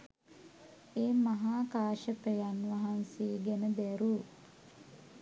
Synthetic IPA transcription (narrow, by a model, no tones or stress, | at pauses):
eːmaɦaːkaːʃəpəjanʋaɦanseːɡɛnəd̪æɾu